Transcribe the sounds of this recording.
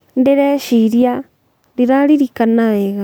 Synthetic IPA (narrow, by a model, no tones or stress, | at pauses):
ndeɾɛʃiɾja | ɾiɾaɾiɾikanaβɛɣa